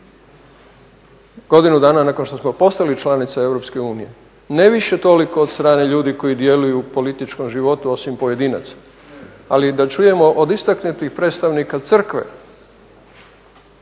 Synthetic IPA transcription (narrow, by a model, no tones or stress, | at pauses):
ɡ̥o̞d̪inud̪aːnanako̞nʃt̪o̞smo̞po̞st̪alit͡ʃlˠanit̪sae̞ʋɾo̞pske̞uːnije̞ | neʋiʃe̞t̪o̞liko̞ːd̪st̪ɾaːne̞ʎuːd̪iko̞id̪je̞lujuːpo̞lit̪it͡ʃko̞mʒiʋo̞t̪uo̞simpo̞je̞d̪iːna̰t̪sḁ | alid̪at͡ʃujemo̞ʔod̪ist̪aknut̪ixpɾet̪st̪aʋnikat̪sɨr̩kʋe̞̰